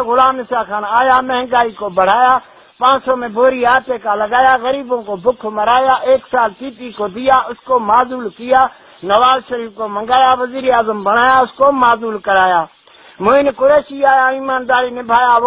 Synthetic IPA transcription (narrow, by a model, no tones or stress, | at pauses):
ɣʊlaːmɪsaːkʰaːnaːjaːmə̃ɦŋɡaːiːkoːbəɽ̤aːjaː | pãːsõːmẽːbʱoːɾiːaːt̪eːkaːləɡaːjaːɣəɾiːbõːkoːbʊkʰməɾaːjaːʔeːksaːlt̪iːt̪iːkoːd̪ɪjaːʔʊskoːmaːzuːlkɪjaː | nəʋaːzʃəɾiːfʰkoːmə̃ŋɡaːjaːʋəziːɾaːzəmbəɽ̤aːjaːʊskoːmaːzuːlkəɾaːjaː | mʊ̃ːɪnkʊɾeːʃiaːjaːiːmaːnd̪aːɾiːnɪbʱaːjaː